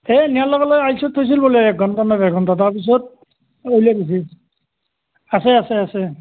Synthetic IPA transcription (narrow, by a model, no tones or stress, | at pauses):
ɛnijalɔɡalɔjajsɔtʰːojs̬ilboliɛk̚ɡʱɔntanabɛɡʱɔntataɹpis̬ɔt̚ | ojliaɡis̬i | asɛasɛasɛ